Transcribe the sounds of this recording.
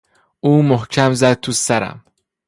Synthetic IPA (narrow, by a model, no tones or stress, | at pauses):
ʔuːmohcʰæmzæd̪̚t̪ʰusæɾæ̰m